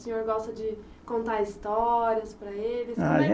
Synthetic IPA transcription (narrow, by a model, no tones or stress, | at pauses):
sĩɲoɾɡɔst̪ɐd͡ʒɪ | kõnt̪aɾist̪ɔɾiɐspɾɐelɪsa